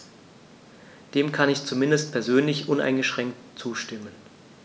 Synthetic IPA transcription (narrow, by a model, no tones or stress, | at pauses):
d̥eːmkʰanɪçt͡sumɪndəst̚pʰɛɐzøːnlɪçʔʊnʔa̰ɪnɡəʃʁ̥ɛŋk̚tt͡suːʃtɪmən